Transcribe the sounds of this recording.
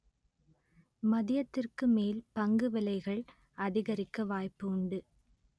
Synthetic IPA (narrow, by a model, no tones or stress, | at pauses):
mɐðɪjɐt̪ːɪrkɯmeːlpɐŋɡɯʋɪlɐɪɣɐɭ | ɐðɪɣɐɾɪkːɐʋaːjpːɯʊɳɖɯ